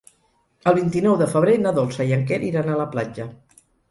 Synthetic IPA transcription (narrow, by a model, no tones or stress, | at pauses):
əlˠβ̞int̪inɔwðəfəβ̞ɾenaðolˠsəjəŋkɛɾiɾanaləplad͡ʒə